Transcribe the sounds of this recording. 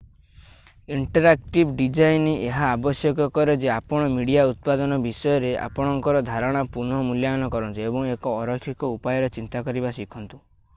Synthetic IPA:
iɳʈɔɾak̚ʈibɖid͡ʒainiʔeɦaːbɔsjɔkɔkɔɾed͡ʒeapɔɽ̃ɔmiɽijaut̪̚pad̪ɔnɔbisɔjɔɾeʔa̰pɔɽ̃ɔŋkɔɾɔd̪ʱaɾɔɽ̃apunɦɔmuljanɔkɔɾɔnt̪uebɔŋekɔːɾɔkʰːikɔupajɔɾɔt͡ʃint̪akɔɾibasikʰɔnt̪u

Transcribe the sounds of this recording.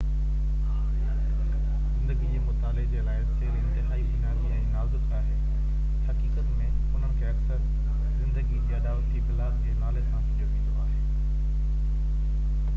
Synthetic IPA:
zɪ̃nd̪əɡid͡ʑeːmʊt̪aːlɪɡd͡ʑeːlaːɪseːɾɪ̃nt̪eɦaːibɪnaːziɛ̃ːnaːzʊt̪aːɦeː | hɐkiːkət̪mẽ | ʊn̤əɽ̃kʰeɐksəɾ | zɪ̃nd̪əɡid͡ʑeːɐɗaːʋət̪d͡ʑiːbɪlaːd̪d͡ʑeːnaːlesãʋɪʈʰjoʋĩːnd̪oaːɦeː

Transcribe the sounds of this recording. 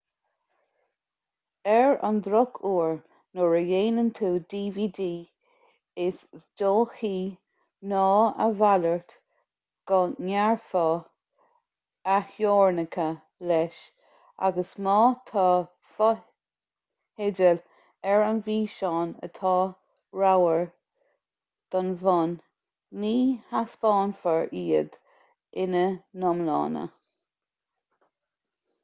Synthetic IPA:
ɛɹa̰nd̪ɾʊkʰuːɹ | nʊɹəjeːnənt̪ʰuːd̪iːviːdiː | ɪsd̥oːxiː | nɑːə̰valəɹt̪ | ɡ̥ɔnaɹfɔ | ahjoːɹnəkʰə | lɛʃ | a̰ɡəsmɑːt̪ʰɑː | f | hɪdəl | ɛɹanviːʃɑːnə̰t̪ʰɑː | ɹawəɹ | d̪̥ɔnvɔnː | iːhaspɑːnfəɹiːəd̪ | ʔɪnənɔmlɑ̰ːnə̰

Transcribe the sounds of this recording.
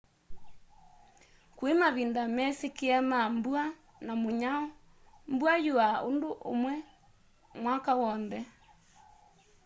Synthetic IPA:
kwemaβindamɛsekeamambua | namoɲaɔ | mbwajuao̰ndoʔo̰mwɛ | mwakawɔnðɛ

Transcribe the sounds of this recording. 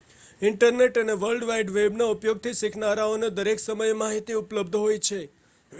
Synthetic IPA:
ɪɳʈəɾneʈəneʋəlɖʋaiɖʋebnaupjoɡ̚t̪ʰisikʰnaɾaoned̪əɾeksəməjmaɦit̪iupləbd̪ʱɦojt͡ʃʰe

